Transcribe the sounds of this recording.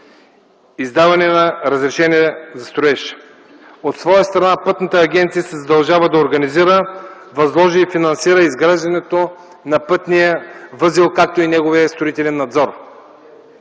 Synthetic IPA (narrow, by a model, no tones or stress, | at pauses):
izd̪avɐnɛnɐɾəzɾɛʃɛniɛzɐst̪ɾoɛʃ | ot̪svɔjəst̪ɾɐnapɤt̪nət̪əːɡʲɛnt̪sijəsɛzɐd̪ɐlˠʒavəd̪ɐoɾɡɐniziɾə | vɐzlˠɔʒiːfinɐnsiɾəizɡɾaʒd̪ɐnɛt̪o | nɐpɤt̪nijəvɤzilˠkak̚t̪oinɛɡoviəst̪ɾoʊit̪ɛlɛnːɐd̪zɔɾ